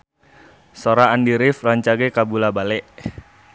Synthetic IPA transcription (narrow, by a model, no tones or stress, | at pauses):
soɾaːndiɾɪfraɲt͡ʃaɡekabulabalɛʔ